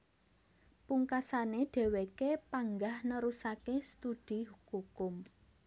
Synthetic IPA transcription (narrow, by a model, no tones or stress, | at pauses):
puŋkasaneɖ̥ɛ̤wekepaŋɡahnəɾusakest̪ud̪̥i̤ɦukukʊm